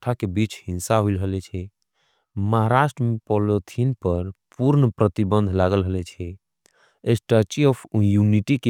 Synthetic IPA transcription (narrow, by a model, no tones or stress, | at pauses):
ʈʰakebit͡ʃhĩnsaɦuilɦəlɛt͡ʃʰɛ | məɦaɾaʃʈɾəmepɔlot̪ʰinpəɾpuɾnəpɾət̪ibə̃nd̪ʱlaɡəlɦəlɛt͡ʃʰɛ | esʈət͡ʃiɔpʰjuniʈike